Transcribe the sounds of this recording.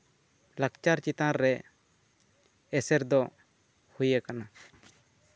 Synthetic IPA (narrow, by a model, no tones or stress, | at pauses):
lakt͡ʃaɾt͡ʃit̪ãɾːɛ | ɛsɛɾd̪ɔ | hujakana